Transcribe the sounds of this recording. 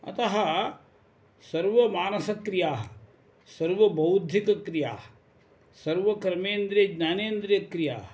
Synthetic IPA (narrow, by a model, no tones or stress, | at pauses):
ɐ̰t̪ɐɦɐ | sɐɾʋɐmaːnɐsɐkɾijaːɦɐ | sɐɾʋɐbɐwd̪ʱːikɐkɾija̰ːɦɐ̥ | sɐɾʋɐkɾɐmeːnd̪ɾeɡnaːneːnd̪ɾjɐkɾija̰ːɦɐ